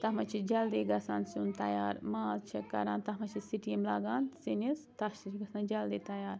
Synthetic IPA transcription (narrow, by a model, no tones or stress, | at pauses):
t̪ɐɦmɐt͡ʃʰid͡ʒɐld̪eːɡɐsa̰ːnsunt̪ɐjaːɾmaːzt͡ʃʰikɐ̰ɾã̰ːnt̪ɐɦmɐt͡ʃʰisiʈiimlaːɡaːnsinist̪ɐʃit͡ʃʰiɡɐsnand͡ʒɐld̪eːt̪ɐjaːɾ